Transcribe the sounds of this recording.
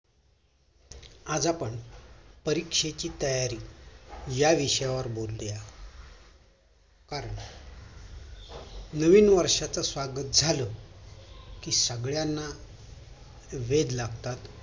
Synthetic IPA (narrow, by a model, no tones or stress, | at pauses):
ad͡zapəɳpəɾikʂet͡ɕiːt̪əjaɾiː | jaʋiɕjaʋəɾbolːeja | kaɾəɳ | nəʋiːnʋəɾʂat͡səsʋaɡət̪̚d͡zʱalə | kiːsəɡɭjanːa | ʋed̪laɡt̪at̪